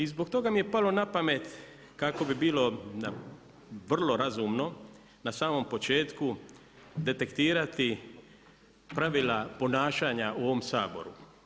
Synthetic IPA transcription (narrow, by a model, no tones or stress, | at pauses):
izbo̞kt̪o̞ɡamije̞palo̞napame̞t̪ | kako̞bibiːlo̞na | ʋr̩lo̞ɾazumno̞ | nasaːmo̞mpo̞t͡ʃe̞ːt̪ku | d̪e̞t̪e̞kt̪iːɾat̪i | pɾaʋilapo̞naːʃaːɲaʔuo̞ʋo̞msaːbo̞̰ɾu